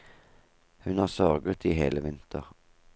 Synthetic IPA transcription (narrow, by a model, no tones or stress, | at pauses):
hʉnhɑːʁsœʁɡət̪ʰiːhḛːləʋɪnt̪ʰəʁ